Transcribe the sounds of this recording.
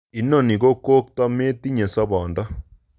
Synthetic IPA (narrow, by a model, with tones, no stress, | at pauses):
i˨˦nɔ˨ni˨ko˦ko˦k̚ta˦me˦ti˦ɲe˨sa˦bɔ˨nda˦